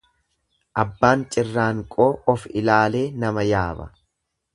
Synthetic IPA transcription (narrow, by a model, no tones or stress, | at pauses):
ʔɐbːaːnt͡ʃʼɪrːaːŋkʼo̞ːʔɔfɪlaːle̞ːnɐmɐjaːbɐ̰